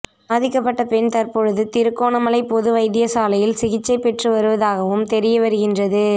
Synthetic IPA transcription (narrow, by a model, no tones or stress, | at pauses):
ɐðɪkːɐpːɐʈːɐpɛnt̪ɐɾpɔɻɯðɯt̪ɪɾɯkːoːnɐmɐlɐɪpɔðɯʋɐɪðɪjɐsaːlɐjɪlsɪɣɪt͡ʃːɐɪpːɛʈrɯʋɐɾɯʋɐðaːɣɐʋɯmt̪ɛɾɪjɐʋɐɾɯɣɪndrɐðɯ